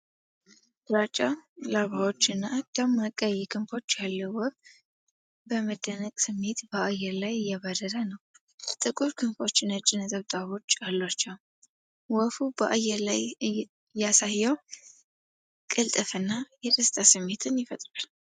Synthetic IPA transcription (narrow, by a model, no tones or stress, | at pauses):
ɾat͡ʃʼalaβawo̞t͡ʃːɨnːaɡ̪̥amːəkʼːəjːɛkʰɨmfo̞t͡ʃːjalːəwɔf | bəməd̪ənəkʼsɨmːe̞t̪bəajɛɾlajjɛβəd̪əɾənəw | t̪ʼɨkʼuɾkʰɨmfo̞t͡ʃːɪnət͡ʃʼɪnət̪ʼəβt̪ʼaβo̞t͡ʃːalːat͡ʃːɛw | wɔfubəʔajɛɾlaj | jasajːaw | kʼɨlt̪ʼɨfɨnːajɛɾɨst̪ʼasɨmːe̞t̪ʰɨnjɪfət̪ʼɾal